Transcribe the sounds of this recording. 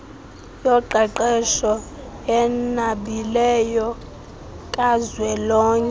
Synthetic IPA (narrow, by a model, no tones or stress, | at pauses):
jɔǃɛǃɛʃɔ | ɛnaɓilɛjɔ | kʼazwɛlɔːɲɛ